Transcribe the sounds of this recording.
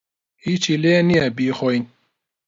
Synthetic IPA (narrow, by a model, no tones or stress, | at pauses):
hiːt͡ʃileːniɛbiːxɔjn